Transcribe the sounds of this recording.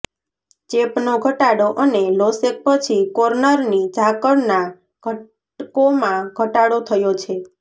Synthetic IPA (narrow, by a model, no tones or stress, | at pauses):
t͡ʃepnoɡʱəʈaɽoʔənelosek̚pət͡ʃʰikoɾnəɾnid͡ʒakəɽna | ɡʱə | komãɡʱəʈaɽot̪ʰəjot͡ʃʰe